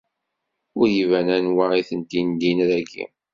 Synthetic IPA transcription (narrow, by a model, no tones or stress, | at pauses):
ʊɾjivænænwaʁiθənt̪ind̪inɾæɡḭ